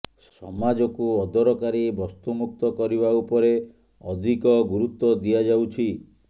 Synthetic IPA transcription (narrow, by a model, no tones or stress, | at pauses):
ssɔmad͡ʒɔkuɔd̪ɔɾɔkaɾibɔst̪umuk̚t̪ɔkɔɾiβaupɔɾe | ɔd̪ʱikɔɡuɾut̪ːɔd̪iad͡ʒawt͡ʃʰi